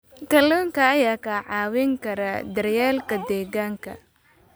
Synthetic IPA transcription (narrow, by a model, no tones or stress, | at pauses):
kʰɐlɔːŋkʰɐːjaːkʰɐʕɑːwɪŋkʰɐɾɐd̪ɐrjaːlkʰɐd̪ɛːɣaːŋkʰɐ̰